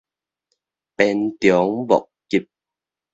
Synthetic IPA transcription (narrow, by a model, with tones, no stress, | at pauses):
pɛː˧nt̪jɔ˨˦ŋvɔ̰˨k̚ki˧˩p̚